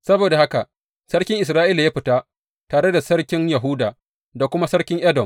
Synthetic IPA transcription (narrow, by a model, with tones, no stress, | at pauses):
sɐ˦boː˨da˨ha˦ka˨ | sɐ˦ɽkʲɪ˦ŋʔɪ˨s̬ɾaː˦ʔiː˦la˨jaː˦ɸɪ˨ta˦ | taː˨ɽe˦da˨sɐ˦ɽkʲɪ˦ŋjɐ˨ɦʊ˦daː˨ | da˨kʷʊ˦ma˦sɐ˦ɽkʲɪ˦ŋʔɐ˦dɔ˨m